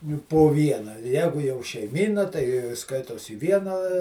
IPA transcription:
jʊk poː ˈʋʲiɛnɐ ˈjæːɡʊ jɛʊ ʃʲɛɪˈmʲiːnɐ tɐɪ ˈskɐɪtoːs iː ˈʋʲiɛnɑː

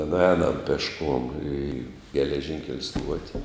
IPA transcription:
nʊˈɛːnɐm pʲɛʃˈkuɔm iː ɡʲɛlʲɛˈʒʲɪŋʲkʲɛlʲ ˈstuɔtʲɪ

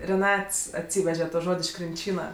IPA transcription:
rʲɛˈnɐts ɐtʲˈsʲiːʋʲɛʒʲɛ toː ˈʒoːtʲ ɪʃ krʲɪnʲˈt͡ʃʲiːnɐ

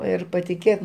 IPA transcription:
ˈɪr pɐtʲɪˈkʲeːt

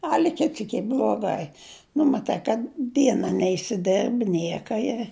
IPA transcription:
ˈɑːlʲɪ ˈkʲɪt ˈsʲiːk ˈiː blˠuɔˈɡɐɪ nʊ mɐˈtɐɪ kɐt ˈdʲiɛnɐ nʲɛɪsʲɪˈdʲɛrʲbʲɪ ˈnʲiɛkɐ ɪ

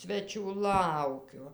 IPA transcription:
ˈsʲʋʲæːt͡ʃʲuː ˈlˠɐʊkʲʊ

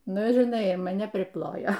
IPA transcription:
ˈnʊ ɪr ɪˈnɐɪ mɐˈnʲɛ pʲrʲɪˈplˠoːjoː

